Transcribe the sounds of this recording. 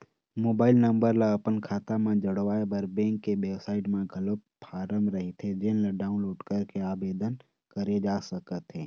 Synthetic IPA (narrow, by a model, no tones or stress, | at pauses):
moːbaːɪlnə̃mbəɾlaɐpənkʰaːt̪amẽd͡ʒɐɽʋaːebɐɾbɛ̃ːŋkːeʋeːbsaːɪʈmẽɡʱɐlət̪ | pʰaːɾəmɾɐɦit̪ʰed͡ʒenlaɖaːʊ̃nloːɖkəɾkeaːbeːd̪ən | kəɾed͡ʒaːsəkət̪ɦɛ̃ː